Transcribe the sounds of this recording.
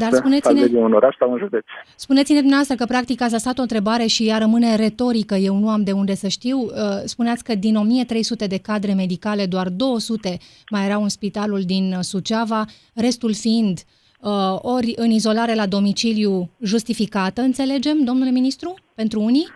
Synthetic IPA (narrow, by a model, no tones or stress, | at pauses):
d̪aɾspunesined̪iunoɾaʃsawɨnʒud̪et̪sʲspunet̪sine̞d̪umneavast̪ɾəkəpɾak̚t̪ikat̪sʲasat̪ont̪ɾe̞baɾe̞ʃijaɾəmɨne̞ɾe̞t̪o̞ɾikəje̞wnuamd̪e̞und̪e̞səʃt̪iwəspuneat̪sʲkəd̪ino̞mije̞t̪ɾe̞jsut̪e̞d̪e̞kad̪ɾe̞me̞d̪ikale̞d̪oard̪o̞wəsut̪e̞ | majeɾawɨnspit̪aluld̪insut͡ʃava | re̞st̪ulfiind̪ | əo̞ɾʲɨnizo̞laɾe̞lad̪o̞mit͡ʃiljuʒust̪ifikat̪əɨnt̪se̞le̞d͡ʒe̞md̪o̞mnule̞minist̪ɾupe̞nt̪ɾuuni